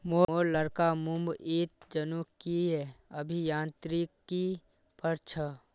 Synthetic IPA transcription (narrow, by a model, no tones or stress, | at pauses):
moːoːɾləɾkamʊ̃mbiːt̪̚d͡ʒənukiɦɛːɐbʱijãːnt̪ɾikːi | pəɾt͡ʃʰə